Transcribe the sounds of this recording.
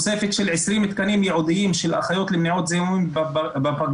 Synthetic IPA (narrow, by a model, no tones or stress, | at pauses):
se̞fet̪ʃelʕesʁimit̪kanimjeʕud̪iimʃelʔa̰χajo̞t̪lemniʕot̪zejimbbapaɡ